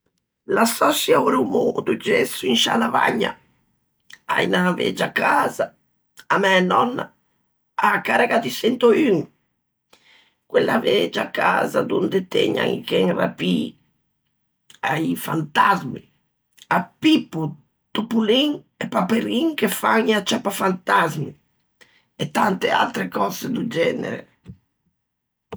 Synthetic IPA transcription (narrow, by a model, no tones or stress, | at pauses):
lasɔsjauɾumod̪ud͡ʒɛsuinʃa̰lava̰ɲːa̰ | a̰jnavɛ̰d͡ʒakazaː | mɛnɔnːa | akːaɾakat̪isɛnt̪oyŋ | kwelːavɛd͡ʒakːaːzad̪und̪et̪ɛ̰ɲa̰ŋikɛŋra̰pi | ajfa̰nt̪azmi | apipːu | t̪upuliŋ | epapeɾiŋkefaŋat͡ʃapafant̪azmi | et̪ant̪ea̰lt̪ɾekɔzed̪ud͡ʒɛnḛɾḛ